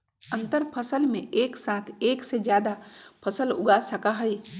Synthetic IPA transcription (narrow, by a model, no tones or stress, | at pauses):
ə̃nt̪əɾpʰəsəlmḛ̃ʔeːksãːt̪ʰeːksed͡ʒjaːd̪apʰəsəlʊ̰ɡasəkaɦɛi